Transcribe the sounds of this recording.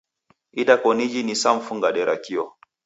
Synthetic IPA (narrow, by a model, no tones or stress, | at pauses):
idakonid͡ʒinisamfuŋɡaɗeɾakio